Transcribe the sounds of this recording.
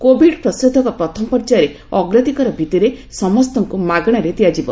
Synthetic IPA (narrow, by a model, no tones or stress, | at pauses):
kobʱiɖpɾɔsɾud̪ʱːɔkɔpɾɔt̪ʰɔmɔpɔɾt͡ʃaɾe | ɔɡɾat̪ikɔɾɔbʱit̪iɾesɔmɔst̪ɔŋkumaɡɽ̃aɾet̪iad͡ʒibɔ